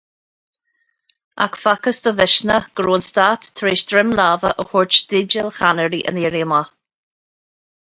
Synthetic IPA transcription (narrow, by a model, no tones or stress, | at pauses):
a̰kfakəsd̪əvɪʃnəɡ̥ɾoːnst̪aːt̪ːʰɾeːʃd̪ɾɪmlaːvəʔəhʊɹt͡ʃd̥̪ɪd͡ʒəlxanəɾiʔə̰niːɾiəma